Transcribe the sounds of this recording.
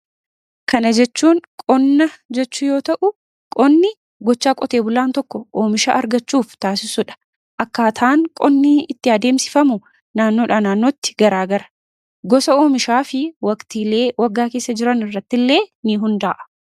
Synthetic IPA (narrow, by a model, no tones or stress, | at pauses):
kɐnɐd͡ʒɛt͡ʃːuːŋkʼɔnːɐd͡ʒɛt͡ʃːʊjo̞ːt̪ɐʔʊ | kʼɔnːɪ | ɡɔt͡ʃːaːkʼɔt̪e̞ːbʊlaːnt̪ɔkːɔʔoːmɪʃa̰ːʔɐɾɡɐt͡ʃːuːft̪aːsɪsʊᶑɐ̥ | ʔɐkːaːt̪ʰaːŋkʼɔnːiːɪt̪ːɪɐd̪e̞ːmsɪ̥fɐmʊ | naːnːoːᶑaːnaːnːoːt̪ːɪ̥ɡɐɾaːɡɐɾɐ̥ | ɡɔsɐoːmɪʃaːfɪwɐkt̪iːle̞ːwʔɐɡːaːke̞ːsːɐd͡ʒɪɾɐnɪrːɐt̪ːɪlːe̞ːnɪɦʊnd̪aːʔɐ̥